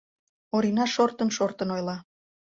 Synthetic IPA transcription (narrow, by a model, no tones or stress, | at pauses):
oɾinɑʃort̪ənʃort̪ənojlɑ